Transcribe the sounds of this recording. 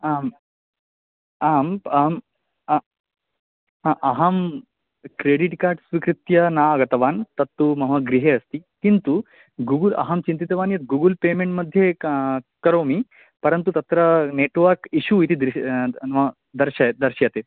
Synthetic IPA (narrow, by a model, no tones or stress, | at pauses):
aːm | aːmɐm | ʔɐɦɐm | kɾeːɽiʈkaːʈsʋikɾit̪jɐnaːɐɡɐt̪ɐʋaːnt̪ɐt̪ːumɐɦɐɡɾiɦeːɐst̪ikint̪u | ɡuːɡulɐ̰ɦɐmt͡ʃint̪it̪ɐʋaːnjɐt̪ɡuːɡulpeːmeɳʈmɐd̪ʱje | kɐɾoːmi | pɐɾɐnt̪ut̪ɐt̪ɾɐneːʈʋɐɾkiʃuit̪id̪ɾim | d̪ɐɾʃad̪ɐɾʃjat̪eː